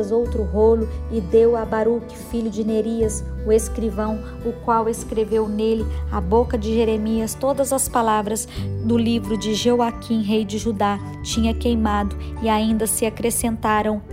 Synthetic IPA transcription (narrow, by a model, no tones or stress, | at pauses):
zowt̪ɾʊɦolʊɪd̪ewabaɾukɪfiʎʊd͡ʒɪneɾiɐsʊeskɾivɐ̃w̃ | ʊkwaweskɾevewnelɪabokɐd͡ʒɪʒeɾemiɐst̪od̪ɐzɐspalavɾɐzd̪ʊlivɾʊd͡ʒɪʒewakʰĩɦejd͡ʒɪʒud̪a | t͡ʃĩɲɐkejmad̪ʊɪaĩnd̪ɐsɪakɾesẽnt̪aɾɐ̃w̃